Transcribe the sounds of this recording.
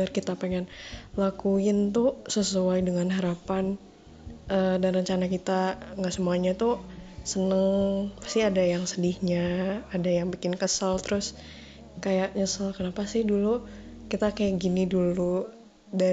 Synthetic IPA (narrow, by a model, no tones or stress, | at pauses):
ərkit̪apeŋɛnlakuɪnt̪ʊsəsuajdəŋanɦaɾapan | ʔədanrəɲt͡ʃanakit̪aŋɡaʔsəmuaɲat̪ʊsənəŋpḁst̪iadajaŋsədɪhɲaːdajaŋbikɪnkəsalt̪əɾʊs | kajaʔɲəsalkənapasɪhdulukit̪akajaʔɡinidulu | da